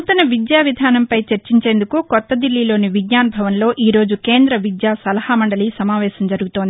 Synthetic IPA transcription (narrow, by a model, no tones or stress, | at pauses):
t̪ɐnɐʋid̪jaːʋid̪ʱaːnɐmpɐjt͡ʃɐɾt͡ʃiɲt͡ʃe̞ːnd̪ukukɔt̪ːɐd̪ilːilo̞ːniʋiɡɲaːnɐbʱɐʋɐnlo̞ːʔiːɾo̞ːd͡ʒuke̞ːnd̪ɾɐʋid̪jaːsɐlɐhamɐɳɖɐliːsɐmaːʋɛːsɐmd͡ʒɐɾuɡut̪ond̪i